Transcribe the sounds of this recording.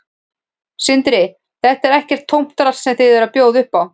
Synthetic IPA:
sɪnt̪ɾɪ | θɛht̪ɛɾɛhcɛr̥t̪ʰːowm̥t̪ɾḁssɛmθɪðvɛɾapjoːwðʏhpaw

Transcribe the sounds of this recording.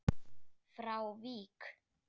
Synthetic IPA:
fɾawviːk

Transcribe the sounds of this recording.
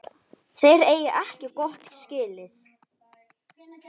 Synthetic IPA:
θejɾeːjɪʔɛhcɪkɔht̪scɪːlɪθ

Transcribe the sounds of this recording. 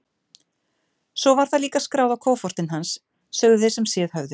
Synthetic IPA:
sɔvaɾ̥θaðliːkaskɾaːwðawkʰoːwfɔr̥t̪ɪnɦansː | ɛːɣðʏθejsɛmsjɛːðhœvðʏ

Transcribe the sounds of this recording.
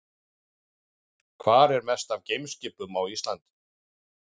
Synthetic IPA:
kʰvaːɾɛɾmɛst̪avcejmscɪpʏmawist̪lant̪

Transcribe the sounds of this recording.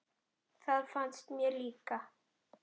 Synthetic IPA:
θaðfanst̪mjɛliːka

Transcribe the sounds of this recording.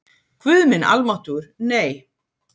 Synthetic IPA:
kʰvʏðmɪna̰lmaht̪uɾneːj

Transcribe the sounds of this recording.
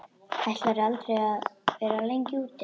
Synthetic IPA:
ajht̪laɾalt̪ɾejaðvɛːɾalejɲcɪuːt̪ːɪ

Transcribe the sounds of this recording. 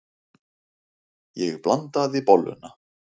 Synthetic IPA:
jɛɣplant̪aðipɔlːʏ̰na

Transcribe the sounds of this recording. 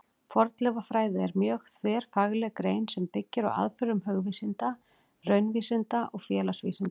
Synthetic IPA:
fɔɾt̪lɛvafɾaːjðɪɛɾmjœːxt̪ʰvɛːɾ̥faɣlɛɣkɾeːjnsɛmpɪcːɪɾɔ̰ɣa̰ðfʏɾʏmɦœɣvisɪnt̪a | rœɥnviːsɪnt̪aʔɔɣfjɛːlasvḭːsɪnt̪ḁ

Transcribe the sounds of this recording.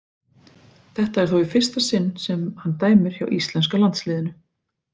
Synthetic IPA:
θɛht̪aɛɾ̥θɔɪfɪr̥st̪asɪnːsɛmhant̪aːjmʏɾ̥ça̰wʔist̪lɛnskalant̪slɪːðɪnʏ

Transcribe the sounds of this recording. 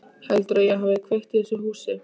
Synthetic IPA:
hɛlt̪ɾœjɛɦaːvɪkʰvejht̪ɪhɛsʏɦuːsɪ

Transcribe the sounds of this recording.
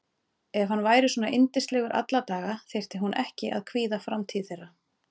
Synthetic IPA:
ɛvɦanːvaːjɾɪswɔːnaʔent̪ɪ̥st̪lɛɣʏɾʔa̰t̪lat̪aːɣaθejr̥t̪ɪɦunʔɛhcɪʔa̰ðkʰviːðafɾamt̪ʰiːðθɛrːa

